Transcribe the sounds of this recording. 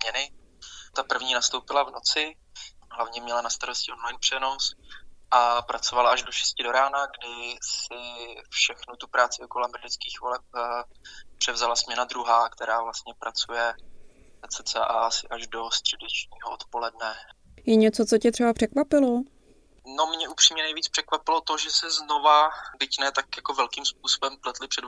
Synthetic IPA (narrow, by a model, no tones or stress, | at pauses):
zmɲɛnɪt̪apr̩vɲiːnast̪o̞wpɪlavnot͡sɪ | ɦlavɲɛmɲɛlanast̪aɾoscɪʔo̞nlajnpr̝̥ɛno̞sʔapɾʔat͡so̞valaaʒdo̞ʃɛ̥scɪdo̞ɾaːnaɡdɪsɪfʃɛxnut̪upɾaːt͡sɪokolamɾdɪt͡skiːxvolɛp̚ | pr̥ɛvzalasmɲɛnad̪ɾuɦaːkt̪ɛɾaːvlast̪̚ɲɛpɾat͡sujɛ | nat͡sɛt͡sɛʔasɪʔaʒdo̞st̪r̝̥ɛdɛt͡ʃɲiːɦoʔot̪po̞lɛdnɛ | jɛɲɛt͡sott͡socɛt̪r̥ɛbapr̥ɛkvapɪlo | no̞mɲɛʔupr̝̥iːmɲɛnɛjviːt͡spr̥ɛkvapɪlo̞t̪o̞ʒɛsɛzno̞vabɪcnɛːt̪akjakovɛlkiːmsp̚uːso̞bɛmplɛt̪lɪpr̥ɛd